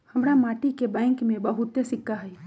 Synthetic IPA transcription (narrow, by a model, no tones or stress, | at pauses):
hɐmɾamaːʈikebɛ̃ːŋkmẽbɐɦʊt̪ːesɪkːaɦɛ